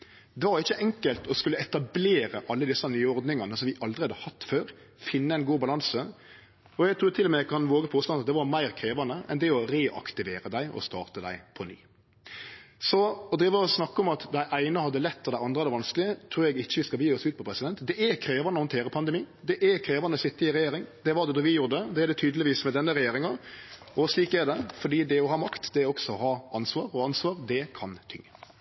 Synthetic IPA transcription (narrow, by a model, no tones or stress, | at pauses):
d̪ɛʋɑɾɪçːəʔɛŋkəlt̪ʰɔskʉlːəɛt̪ɑbleːɾəʔɑlːəd̪ɪsːɑnyːɔɾd̪nɪŋɑnəsɔmʋɪʔɑld̪ɾɪɑd̪əhɑt̪ːføːɾ | fɪnːəɛɪnɡuːbɑlɑnsə | ɔɛɡt̪ʰɾʉːɾt̪ʰɪlːɔmɛɛkʰɑnʋoːɡəpʰoːst̪ɑnɑt̪̚d̪ɛʋɑɾmæɪɾkʰɾeːʋɑnəʔɛnd̪ɛɔɾeːʔɑ̰kt̪ɪʋeːɾəd̪æɪʔɔ̰st̪ɑ̰ːʁt̪əd̪æ̰ɪpʰɔny̰ː | sɔɔd̪ɾiːʋəɔsnɑkːəɔmɑt̪d̪æɪʔæɪnəhɑd̪ːəlɛt̪ːɔd̪æɪɑnd̪ʁəɛd̪ɛʋɑnsklɪət̪ʰɾuːɾɛɡɪçːəʋɪskɑbjiːɔsʉːt̪̚pʰɔpʰɾɛsɪd̪ɛnt̪d̪ɛʔɛɾkʰɾeːʋɑnəɔhɔnt̪ʰeːɾəpʰɑnd̪ɛmiː | d̪ɛʔɛkʰɾeːʋɑnəsɪt̪ːəɪɾɛjeːɾɪŋd̪ɛʋɑd̪ɛd̪ɔʋɪjuːɾd̪əd̪ɛɛd̪ɛt̪ʰyːd̪əlɪʋiːsmɛd̪ɛnːəɾɛjeːɾɪŋɑ | ɔsliːkɛɾd̪ɛfɔɖiːd̪ɛɔɦɑːmɑkt̪d̪ɛɾɔksɔɔhɑːʔɑnsʋɑːɾɔɑnsʋɑːɾd̪ɛkʰɑnt̪ʰʏŋːə